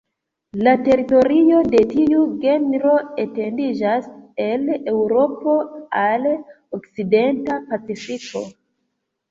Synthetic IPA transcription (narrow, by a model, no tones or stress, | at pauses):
late̞ɾito̞ɾio̞de̞tiuɡe̞nɾo̞ete̞ndid͡ʒase̞lewɾo̞po̞al | okside̞ntapat͡sifiko̞̰